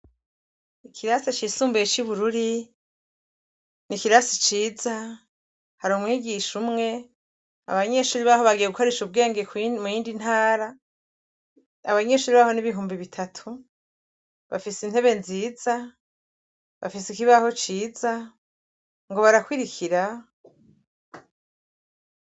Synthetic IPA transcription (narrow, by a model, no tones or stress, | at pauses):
ikʰiɾasat͡ʃiːsuːmbujet͡ʃiβuɾuɾi | nikiɾasit͡ʃiːza | haɾoːmwiːɡiʃumŋe̞ | a̰βaɲe̞ʃuːɾiβaho̞βaɡijeɡukoɾeʃuβɡe̞ːŋɡekmujiːndinhaːɾa | aβaɲe̞ʃuːɾiβaho̞niβiɦuːmbiβitʰatʰu | βa̰fisin̥he̞βe̞nziːza | βa̰fisikiβaho̞t͡ʃiːza | ŋɡo̞βaɾakwiɾikʰiɾa